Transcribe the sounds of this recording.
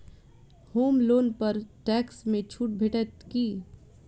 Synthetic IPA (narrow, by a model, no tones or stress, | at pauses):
hoːmloːnpɐɾʈɛːksmẽt͡ʃʰuːʈ̚bʱeːʈɛt̪kiː